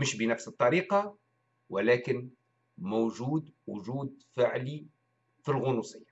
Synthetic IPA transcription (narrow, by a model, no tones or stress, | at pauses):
məʃbənæfsət̪ˤːɑɾiqɑ | wəlækən | mowʒud̪wʊʒud̪fəʕli | filɣʊnusˤəjːa